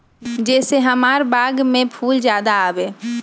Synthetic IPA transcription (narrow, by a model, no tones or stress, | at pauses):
d͡ʒɛːseɦəmaːɾbaːɡmẽpʰuːld͡ʒjaːd̪aaːʋeː